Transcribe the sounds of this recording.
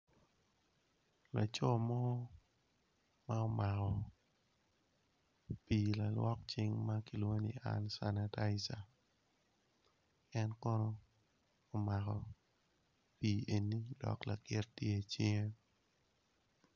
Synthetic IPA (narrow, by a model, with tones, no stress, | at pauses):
la˨t͡ʃɔ˦mɔ˦ | ma˦o˨ma˨kɔ˨ | piː˨la˨lwɔ˦k̚t͡ʃɪ˦ŋma˦ki˨lwo˦ni˨ʔa̰˦nsa˨na˨ta˦ɪsa˨ | ɛ˦nkɔ˦noː˦˨ | ma˨kɔ˨ | piː˨ʔe˨nːi˦dɔ̰˨kla˨kɪ˦rtje˦t͡ʃɪ˦ŋe˦